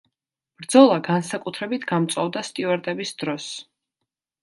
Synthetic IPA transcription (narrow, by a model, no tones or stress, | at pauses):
b̥ɾd̪zɔlˠaɡansakʼut̪ʰɾɛbit̪ʰɡamt̪sʼavd̪ast̪ʼivɛɾt̪ʼɛbisd̪̥ɾɔs